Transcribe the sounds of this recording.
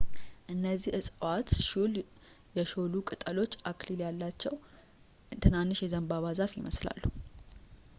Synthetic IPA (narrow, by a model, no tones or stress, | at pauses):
ʔɨnːəzːihɨsʼwat̪ʃul | jɛʃo̞lukʼɨt̪ʼəlo̞t͡ʃːakliljalːat͡ʃːɛw | t̪ʰɨnanːɨʃjɛzəmbaβazafjɪməsla̰lːu